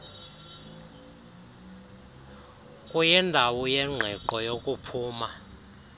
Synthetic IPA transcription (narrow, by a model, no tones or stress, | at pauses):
kʼujɛndʱawɔjɛŋ͡ǁʱɛǃɔjokʼupʰuːma